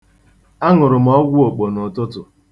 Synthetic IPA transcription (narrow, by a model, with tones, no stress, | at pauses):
a˦ŋʊ˨ɾʊ˨m̩˨ɔ˦ɡʷu˦o˨k͡po˨nʊ˨tʊ˦tʊ˨